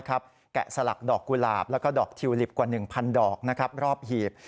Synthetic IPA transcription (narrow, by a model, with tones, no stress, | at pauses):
kʰa˦˥p̚ | kɛ̰˨˩sa˧la̰˨˩k̚dɔː˨˩kːu˧la̰ː˨˧˩p̚lɛː˦˥kɔː˥˩dɔː˨˩k̚t̪ʰi˧wli˨˩p̚kwaː˨˩nɯ˨˩ŋpʰa˧ndɔː˨˩k̚na˦˥kʰɾa˦˥p̚ɾɔː˥˩p̚hiː˨˩p̚